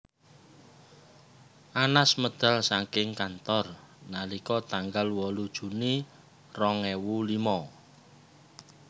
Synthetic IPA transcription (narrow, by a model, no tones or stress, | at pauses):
ʔanasməd̪̥a̤lsaŋkɪŋkant̪ɔrnalikɔt̪aŋɡalwɔlud̥ʒ̥ṳni | rɔŋɛwulimɔ